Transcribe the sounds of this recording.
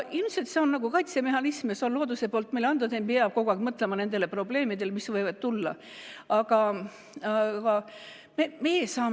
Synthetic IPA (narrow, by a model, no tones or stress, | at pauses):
ilmset̪se̞o̞nːɑɡ̥ukɑjt̪seme̞hɑnismɑseonlo̞ːd̪usepo̞ːlt̪ːˑmelɑnd̪ɑd̪ejpeɑb̚ko̞ɡ̥ɑkmɤt̪ˑlemɑne̞nd̪̥e̞lepro̞ble̞ːmid̪̥e̞lmisvɤjvɑd̪̥̚t̪ulːɑ̰ | ɑɡ̥ɑ | ɑkɑ | memejesɑː